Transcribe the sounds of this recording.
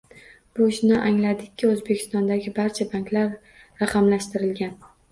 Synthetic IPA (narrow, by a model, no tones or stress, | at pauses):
b̥oʃnɪʔaŋlad̪ɪkʲʰːɪɵzbekʲʰɪ̥st̪ɒnd̪aɡʲɪbaɾt͡ʃʰabaŋklaɾ | ɾɑqʰɑmlaʃt̪ɪɾɪlɡʲan